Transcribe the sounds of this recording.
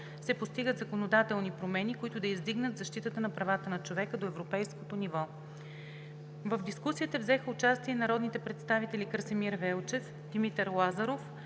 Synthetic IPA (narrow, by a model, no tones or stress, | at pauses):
sɛpost̪iɡət̪zɐkonod̪at̪ɛlˠnipɾomɛnikoit̪ʊd̪ɐizd̪iɡnət̪zɐʃt̪it̪ət̪ənɐpɾɐvat̪ənɐt͡ʃovɛkəd̪oɛvɾopɛjskot̪onivɔ | vəvd̪iskusiət̪əvzɛxəʊt͡ʃast̪iɛnɐɾɔd̪nit̪ɛpɾɛt̪st̪avit̪ɛlʲikəɾsɛmiɾvɛlˠt͡ʃɛf | d̪̥imit̪ɛɾlˠazɐɾof